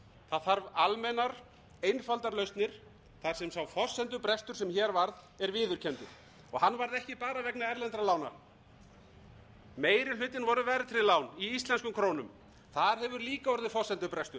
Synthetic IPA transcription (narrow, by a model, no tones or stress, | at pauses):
θaðθaɾvalmɛnaɾ | ejnfalt̪aɾlœɥst̪nɪɾ̥ | θaɾ̥sɛmsawfɔr̥sɛnt̪̬ʏpɾɛst̪ʏ̥sɛmçɛːɾvaɾð | ɛɾvɪːðʏɾ̥cʰɛnt̪ʏ̰ | ɔɣhanːvaɾðɛhcɪpaːɾavɛknaɛɾlɛnt̪ɾalaːwna̰ɾ̥ | meːjɾɪlʏːt̪ɪnvɔɾʏvɛːɾɪt̪ʰɪɾɪlaːwniist̪lɛnskʏmkʰɾoːwnʏm | θaðɾ̥ɦɛvʏɾliːkaɔɾðɪfɔsɛnt̪ʏpɾɛst̪ʏɾ̥